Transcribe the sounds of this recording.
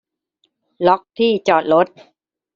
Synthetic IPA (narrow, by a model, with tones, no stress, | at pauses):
lɔ˦˥k̚t̪ʰiː˥˩t͡ɕɔː˨˩t̪̚ɾo˦˥t̪̚